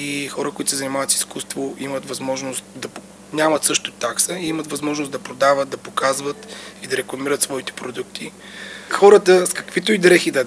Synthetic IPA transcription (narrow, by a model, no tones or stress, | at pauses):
ixɔɾəkʊit̪ʊsɛzɐnimavət̪si̥skust̪voʔimət̪vɐzmɔʒnost̪d̪ɐp | nʲamɐt̪sɤʃt̪ot̪aksəiimət̪vɐzmɔʒnosd̪ɐpɾod̪avət̪̚d̪ɐpokazvət̪id̪ɐɾɛklˠɐmiɾət̪svɔit̪ɛ̥pɾod̪ukt̪i | xɔɾət̪əskɐ̥kvit̪oid̪ɾɛxid̪ɐ